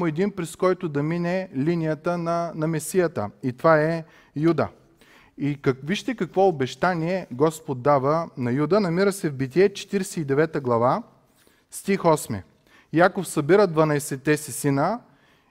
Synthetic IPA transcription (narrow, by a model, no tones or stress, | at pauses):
mʊɛd̪inpɾɛskɔjt̪ʊd̪ɐminɛlinijət̪ənɐnɐmɛsijət̪ə̰it̪ovaɛ | jud̪ə̰ | ikɐviʃt̪ɛkɐkvɔobɛʃt̪aniɛɡɔspot̪ːavənɐjud̪ənɐmiɾəsɛvbit̪̬iɛt͡ʃɛ̥t̪iɾɛsɛid̪ɛvɛt̪əɡlˠɐva | st̪ixɔsmɛ̰ | jakofsɐbiɾəd̪vɐnɐɛsɛt̪ːɛsisinə